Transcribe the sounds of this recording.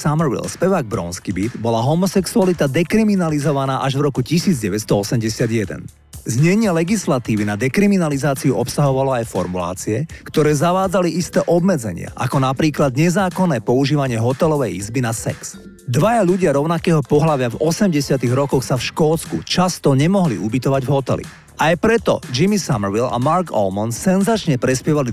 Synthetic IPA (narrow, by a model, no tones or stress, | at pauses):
samɛɾʋḭlspɛʋaːɡ̚bɾɔ̰ːnskibid̪bɔlaɦɔmɔsɛksualit̪ad̪ɛkɾiminalizɔʋanaːʔaʒʋɾɔkucisiːd͡zɟɛʋɛt̪st̪ɔɔsɛmɟɛsɪad̪jɛd̪ɛ̰n | zɲɛɲɪɛlɛɡislat̪iːʋinad̪ɛkɾiminalizaːt͡siuʔɔpsaɦɔʋalɔajfɔɾmula̰ːt͡siɛkt̪ɔɾɛːzaʋaːd͡zaliʔist̪ɛːʔɔbmɛd͡zɛɲɪa̰ʔa̰kɔnapɾiːklad̪ɲɛzaːkɔnːɛːpɔuʒiːʋaɲɪɛɦɔt̪ɛlɔʋɛjizbinasɛ̰ks | d̪ʋajaʎuɟɪaɾɔʊnakɛːɦɔpɔɦlaʋɪavɔsɛmɟɛsɪat̪iɣɾɔkɔxsafʃkɔːt͡skut͡ʃast̪ɔɲɛmɔɦlḭʔubit̪ɔʋaɟvɦɔt̪ɛ̰lḭ | ajpɾɛt̪ɔ̰d͡ʒimisamɛɾʋila̰maɾɡɔ̰lmɔnsɛnzat͡ʃɲɛpɾɛspɪjɛʋali